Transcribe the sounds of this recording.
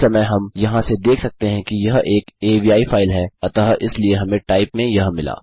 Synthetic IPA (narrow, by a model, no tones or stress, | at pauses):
ɐməɦɐmjɐɦãsed̪eːkʰsɐk̚t̪eɦɛ̃kijɐɦeːkeːbiːaːifaːɪlɦɛɐt̪aːɦʔɪslieɦɐmẽʈaːɪpmẽjɐɦmɪla̰ː